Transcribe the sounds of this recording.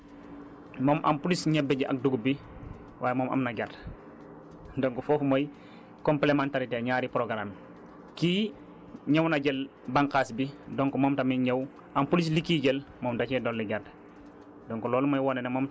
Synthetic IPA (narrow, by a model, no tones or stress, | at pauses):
mɔːmʔa̰mpulisɲɛbːeɟiʔɐ̰k̚duɡubi | wʔaːjemoːmʔɐ̰mnɐɟard | doŋkofɔːfmoj | kɔmplemantaɾiteːɲaːɾipɾoɡɾam | kiː | ɲewnaɟel | baŋkaːsbidoŋkumoːmtamiɲɐw | ampulislikiːɟɛlmɔːmdacɛdolːeɟard | doŋkolɔːlmɐjwɔːnenɛmoːm